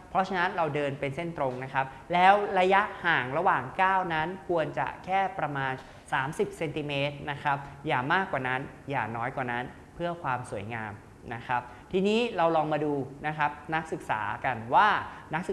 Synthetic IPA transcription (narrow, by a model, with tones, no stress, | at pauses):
pʰɾɔ˦˥t͡ɕʰa˧na˦˥nɾa˧wdɤː˧npe˧nse˥˩nt̪ɾo˧ŋna˦˥kʰa˦˥p̚lɛː˦˥wɾa˧ja˦˥ʔhaː˨˩ŋɾa˧waː˨˩ŋkaː˥˩wna˦˥nkʰu˧ənt͡ɕa̰˨˩kʰɛː˥˩pɾa˧maː˧n | saː˩˦msi˨˩p̚se˧nt̪i˧meː˦˥t̪̚na˦˥kʰɾa˦˥p̚jaː˨˩maː˥˩kwaː˨˩na˦˥n | ja̰ː˨˩nɔː˦˥jkwaː˨˩na˦˥n | pʰɯ˥˩ɐkʰwaː˧msu˨˩˦əjŋaː˧m | na˦˥kʰɾa˦˥p̚ | t̪ʰiː˧niː˦˥ɾa˧wlɔː˧ŋmaː˧duː˧na˦˥kʰa˦˥p̚na˦˥k̚sɯ˨˩k̚sa̰ː˩˦ka˧nwaː˥˩na˦˥k̚s